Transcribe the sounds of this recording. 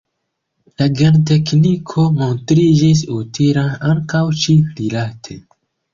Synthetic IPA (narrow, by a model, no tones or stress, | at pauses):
laɡant̬eknikʰo̞montɾid͡ʒis̬utʰiɾanaŋkawt͡ʃiɾilatʰe